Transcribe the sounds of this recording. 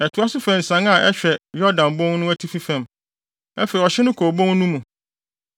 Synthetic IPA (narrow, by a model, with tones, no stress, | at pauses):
ɛ˨tʰʊ˨˦a˦sʊ˦fɛ̃˨n̩˨sã˦ŋa˨ʔɛ˦ɕᶣɛ˨jɔ˦dã˨nbɔ̃˦ŋ˦nʊ̃˦æ˦tʰi˦fi˦fæ̃˨m | æ˦fe˨i˨ɔ˨ɕɛ˦nʊ̃˦kʰoː˨bõ˦ŋnũ˦mũ˨